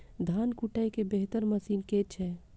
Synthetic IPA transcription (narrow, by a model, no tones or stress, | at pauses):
d̪ʱaːnkuʈaikebeɦt̪əɾməsiːnket͡ʃʰɛ